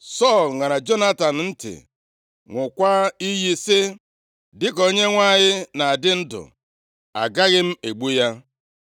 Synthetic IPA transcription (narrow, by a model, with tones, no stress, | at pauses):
sɔ˦˨lŋa˨na˨d͡ʒo˦na˦ta˨n̩˨n̩˦tɪ̰˨ | ŋʷʊ˨kʷa˦i˦ji˦sɪ˦ | dɪ˦ko˦ɲe˦ŋʷa˦˨ɲɪ˦na˨a˨dɪ˦n̩˦dʊ̰˨ | a̰˨ɡa˦ɣɪ˦m̩˦e˨ɡ͡bu˦ja˦